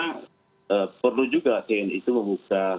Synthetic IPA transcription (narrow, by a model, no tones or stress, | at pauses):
a | əpərlud͡ʒuɡat̪eɛnḭt̪uməmbuka